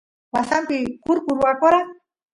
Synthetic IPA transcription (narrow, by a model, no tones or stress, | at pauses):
wasampikuɾkuɾuakoɾa